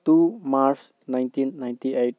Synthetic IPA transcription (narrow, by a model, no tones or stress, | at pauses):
t̪umaɾs | najntĩnːaj̃ntiejʈ̚